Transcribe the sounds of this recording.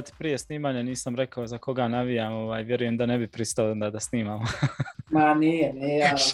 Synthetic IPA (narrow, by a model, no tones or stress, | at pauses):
t̪i̥pɾije̞sniːmaːɲaniːsamɾe̞kaozako̞ɡanaʋijaːmoʋaːjʋje̞ɾuje̞md̪ane̞bipɾist̪aoond̪aːd̪asniːmamomaniːjɛniːa